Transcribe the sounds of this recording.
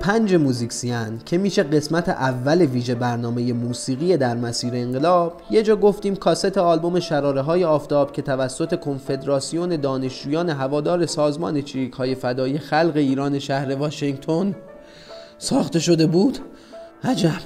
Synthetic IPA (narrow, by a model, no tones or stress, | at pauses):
pʰænd͡ʒe̞muːzikʲsiæncʰe̞miːʃeɢe̞smæt̪ʰḛʔævːæleviːʒe̞bæɾnɒːme̞je̞muːsiːɣiːe̞d̪æɾmæsiːɾeːŋɢe̞lɒːb̥je̞d͡ʒɒːɡo̞ft̪iːmkʰɒːset̪ʰe̞ɒːlbo̞me̞ʃæɾɒːɾeɦɒːje̞ɒːft̪ʰɒːb̥cʰe̞t̪ʰævæsːot̪ʰe̞kʰo̞nfe̞d̪ɾɒːsijo̞ne̞d̪ɒːne̞ʃd͡ʒuːjɒːne̞ɦævɒːd̪ɒːɾe̞sɒːzmɒ̰ːne̞t͡ʃʰiikʰhɒːje̞fæd̪ɒːiːexælɣe̞iːɾɒːne̞ʃæhɾe̞vɒːʃeŋɡt̪ʰo̞n | sɒːxt̪e̞ʃo̞d̪e̞buːd̪̥ | hæd͡ʒæb̥